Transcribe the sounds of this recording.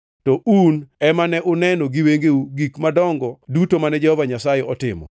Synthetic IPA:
tɔunɛmanɛʔʊnɛnoɡiweŋɡeuɡikmadɔŋɡɔdutomanɛd͡ʒɛhɔvaɲasajeɔtɪ̰mɔ̰

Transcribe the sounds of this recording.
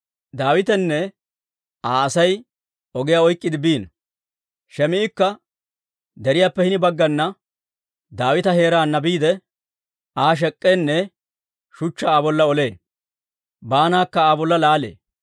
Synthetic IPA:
d̪aːwɪt̪ɛnːɛ | aːɐsɐj | ɔɡɪjaːɔjkʼːɪd̪ɪbiːn | ʃɛmɪɪkːɐ | d̪ɛɾɪjaːpːɛhɪnɪbɐɡːɐnːɐ | d̪aːwɪt̪ɐhe̞ːɾaːnːɐbiːd̪ɛ | ʔaːʃ̬ɛkʼːenːɛ | ʃʊt͡ʃːɐaːbɔlːɐɔle̞ː | baːnaːkːɐaːbɔlːɐlaːlḛː

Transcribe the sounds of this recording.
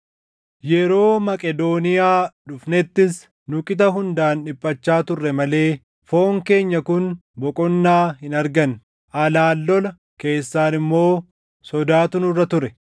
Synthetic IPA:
jɛɾo̞ːmɐkʼɛd̪o̞ːnɪjaːᶑʊfnɛt̪ːɪs | nʊkʼɪt̪ɐɦʊnd̪aːnᶑɪpʼːɐt͡ʃːaːt̪ʊrːɛmɐle̞ː | fo̞ːŋke̞ːɲːɐkʊnbɔkʼɔnːaːhɪnɐɾɡɐn | ʔɐlaːlːɔlɐ | ke̞ːsːaːnɪmːo̞ː | sɔd̪aːt̪ʊnʊrːɐt̪ʊɾɛ

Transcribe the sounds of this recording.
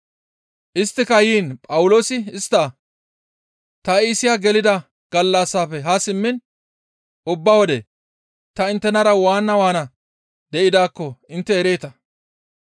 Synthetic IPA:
ʔɪst̪ːɪkɐjiːnpʼɐwʊlo̞ːsɪɪst̪ːɐ | t̪ɐiːsɪjaɡɛlɪd̪ɐ | ɡ̥ɐlːasːaːfɛɦasɪmːɪn | ʔʊbːɐwɔd̪ɛ | t̪ɐɪnt̪ːɛnɐɾɐwaːnːɐwaːnɐ | d̪ɛʔɪd̪aːkːɔɪnt̪ːɛːɾe̞ːt̪ɐ

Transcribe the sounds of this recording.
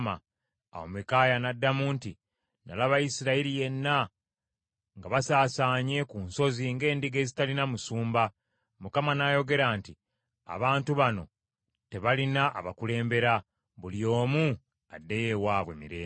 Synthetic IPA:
ma̰ | a̰womekajanadːamuːnti | nalaβajisiɾailije̞nːa | ŋɡaβasaːsaːɲe̞kuːnso̞ziŋɡe̞ːndiɡe̞ːzitalinamusuːmba | mukamanajo̞ɡe̞ɾaːnti | a̰βaːntuβano̞̰ | te̞βalinaʔːβakule̞ːmbe̞ɾa | βulijo̞ːmu | adːe̞je̞waːβwe̞̰miɾeː

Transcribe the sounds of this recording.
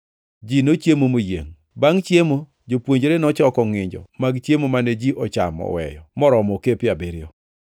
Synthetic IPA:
d͡ʒinot͡ʃjemomojḛŋ | baŋt͡ʃjemo | d͡ʒopwoɲd͡ʒɾenɔt͡ʃɔkɔŋɪɲd͡ʒɔ̰maɡt͡ʃjemomaned͡ʒiʔɔt͡ʃamɔ̰wɛ̰jɔ̰mɔɾɔmɔkepɪabeɾɪɔ

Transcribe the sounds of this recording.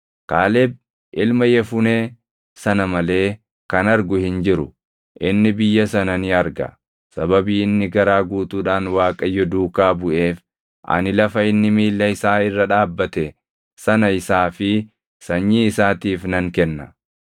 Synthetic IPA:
kaːlɛb̚ | ʔɪlmɐjɛfʊneː | sɐnɐmɐle̞ː | kɐnɐɾɡʊhɪnd͡ʒɪɾʊ | ʔɪnːɪbɪjːɐsɐnɐnɪɐɾɡɐ̰ | sɐbɐbiːɪnːɪɡɐɾaːɡuːt̪uːᶑaːnwaːkʼɐjːɔd̪uːkaːbʊʔe̞ːf | ʔɐ̰nɪlɐfɐɪnːɪmiːlːɐɪsaːɪrːɐᶑaːbːɐt̪ɛ | sɐnɐɪsaːfɪ | sɐɲːiːɪsaːt̪iːfnɐŋkɛnːɐ

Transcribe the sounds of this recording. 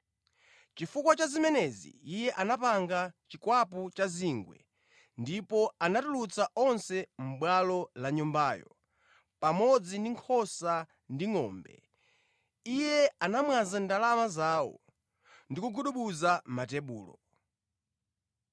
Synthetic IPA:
t͡ʃifukwat͡ʃazimɛnɛzḭijɛʔanapaŋɡat͡ʃikwap̬ut͡ʃaziŋɡwɛ̰ | ndipɔanatulut͡saʔɔnsɛm̩ɓwalɔlaɲumbaːjɔ̰ | pamɔd͡zindiŋkʰɔsa | ndiŋɔːmbɛ̰ | ijɛanamwazandalamazaːwɔ̰ | ndikuɡuɗuɓuzamatɛɓuːlɔ̰

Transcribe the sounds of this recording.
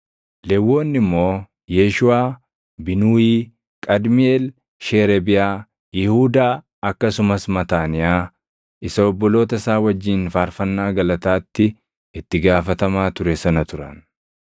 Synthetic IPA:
lɛwːo̞ːnːɪmːo̞ː | jeːʃʊaː | bɪnuːiː | kʼɐd̪mɪeːl | ʃeːɾɛbɪjaː | jɪhuːd̪aː | ɐkːɐsʊmɐsmɐt̪aːnɪjaː | ɪsɐɔbːɔlo̞ːt̪ɐsaːwɐd͡ʒːiːnfaːɾfɐnːaːɡɐlɐt̪aːt̪ːɪ | ɪt̪ːɪɡaːfɐt̪ɐmaːt̪ʊɾɛsɐnɐt̪ʊɾɐ̰n

